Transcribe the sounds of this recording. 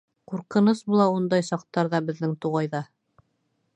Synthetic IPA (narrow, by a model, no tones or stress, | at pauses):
quɾqɤ̆nɤsbulˠɑund̪ɑjsɑq̚t̪ːɑɾðɑbɘ̆ðːɘŋt̪uʁɑjðɑ